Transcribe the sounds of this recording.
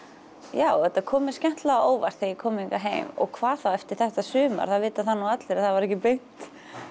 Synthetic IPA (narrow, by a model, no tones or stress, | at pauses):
jaːwɛt̪ːakʰɔːmɪ̥scɛn̥t̪laoːwva̰ɾ̥t̪θejɪkʰɔːmiŋkaɦḛjmɔ̰ɣkʰvaːðθawɛft̪ɪɾ̥θɛht̪asʏːma̰ɾ̥θaðvɪːt̪aθanːaat̪lɪɾaθavaɾɛhcɪpɾejn̥t̪